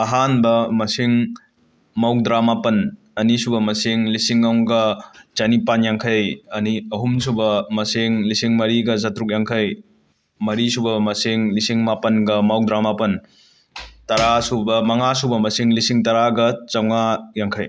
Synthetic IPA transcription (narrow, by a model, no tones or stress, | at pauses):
ɐɦanbɐmɐsiŋ | maw̚dɾamapɐn | ɐnisubɐmɐsiŋlisiŋːawŋɡɐt͡ʃɐnipanjaŋkʰɐjɐniɐɦumsubɐmɐsiŋlisiŋmɐɾiɡɐz̬ɐtɾuk̚jaŋkʰɐj | mɐɾisubɐmɐsiŋlisiŋmapɐnɡɐmaw̚dɾamapɐn | tɐɾasubɐmɐŋasubɐmɐsiŋlisiŋtɐɾaɡɐt͡ʃɐwŋajaŋkʰɐj